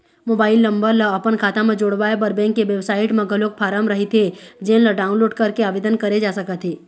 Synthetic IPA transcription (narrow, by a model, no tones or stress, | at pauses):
moːbaːɪlːə̃mbəɾləɐpənkʰaːt̪ãmẽd͡ʒoːɽʋaːebəɾbɛ̃ːŋkːeʋeʋsaːɪʈmẽɡʱəloːk̚pʰaːɾəmɾɐɦet̪ʰed͡ʒẽːnləɖaːʊ̃nloːɖkɐɾkeaːʋed̪ənkɐɾed͡ʒaːsəkət̪ʰɦeː